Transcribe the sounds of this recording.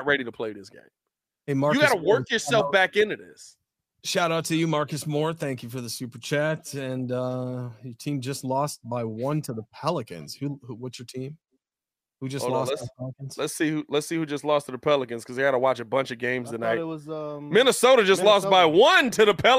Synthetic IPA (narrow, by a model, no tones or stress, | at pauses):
t̚ɹɛɾiɾəpʰl̥eɪðɪsɡ̥ḛ̃ɪ̃m | ɨmɑɹjɨɡɑɾəwɜ˞kjə˞sɛlˠfb̥ækɪ̃nɨðɪ̰s | ʃaʊɾʌtʰɨjɨmɑɹkɨsmɔɹt̪θæ̃ŋkjɨfə˞ðɨsʉpə˞t͡ʃʰætɨ̃nʌjə˞tʰĩmd͡ʒʌstˡlɔst̚b̥aɪwʌ̃ntʰɨðəpʰɛlˠəkɨ̰̃nz̥hʉhuwʌtsə˞tʰĩm | hud͡ʒʌslɔsðəpʰɛlˠəkn̩z̥lətsihʉlətsihʉd͡ʒʌstˡlɔstʰɨðəpʰɛlˠəkɨ̃nz̥kʰʌzaɪɡɑɾəwɑt͡ʃɨbʌ̃nt͡ʃʌvɡẽɪ̃mzɨnaɪwʌzʌmɪ̃nɨsoʊɾɨd͡ʒʌstlɔsb̥aɪwʌ̃ntʰɨðəpʰɛ